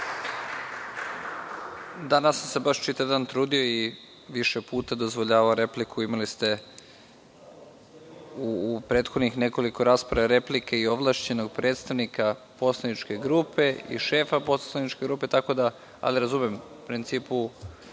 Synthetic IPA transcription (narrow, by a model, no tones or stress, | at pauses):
d̪anasːamse̞baʃt͡ʃit̪ajd̪ant̪ɾuːd̪io̞i | ʋiʃepuːt̪ad̪o̞zʋoʎaːʋaoɾe̞plikʰuimalist̪e̞ | upɾe̞ːt̪xo̞d̪nixne̞ko̞liko̞ɾaːspɾaʋaɾe̞plikeio̞ʋlˠaːʃt͡ɕe̞no̞ɡ̚pɾʔe̞ːt̪st̪aʋnika | po̞slˠanit͡ʃke̞ɡɾuːpe̞ḭʃe̞ːfaposlanit͡ʃke̞ɡɾuːpe̞t̪ako̞d̪a | a̰liɾazumemupɾint̪siːpu